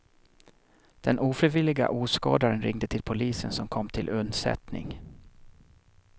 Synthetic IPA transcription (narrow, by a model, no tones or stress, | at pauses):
d̪̥ɛnʔuːfɾiːvɪlɪɡa̰ʔuːskɑːd̪aɾənɾɪŋd̪ət̪ʰɪlpʰʊliːsə̰nsɔmkʰɔmːt̪ʰɪlʔɵnd̪sɛ̰t̪nɪ̰ŋ